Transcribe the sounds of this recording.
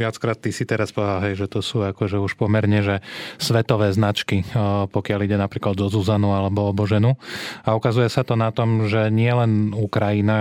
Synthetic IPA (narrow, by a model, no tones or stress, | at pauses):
ɪat͡skɾaːt̪ːisit̪ɛɾaspɔaɦɛjʒɛt̪ɔsuːakɔʒɛuʃpɔmɛɾɲɛʒɛsʋɛt̪ɔʋɛːznat͡ʃkipɔkɪaliɟɛnapɾiːklad̪zɔzuzanualɛbɔɔbɔʒɛnuaukazujɛsat̪ɔnat̪ɔmʒɛɲɪɛlɛnukɾajina